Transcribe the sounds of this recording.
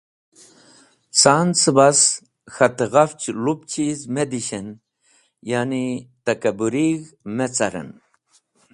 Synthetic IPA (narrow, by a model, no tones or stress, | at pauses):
t͡saːnt͡sɨbas | xɐt̪eɣaft͡ɕlup̚t͡ɕʰizmed̪iɕen | janit̪ɐkɐbuɾiɣmet͡sɐɾə̰n